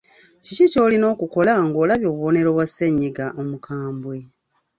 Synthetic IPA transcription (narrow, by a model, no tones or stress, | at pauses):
cicico̞ːlino̞ːkuko̞laŋɡo̞ːlaβjo̞ːβuβo̞ne̞ɾo̞βwaseɲːiɡaʔomukʰaːmbwe̞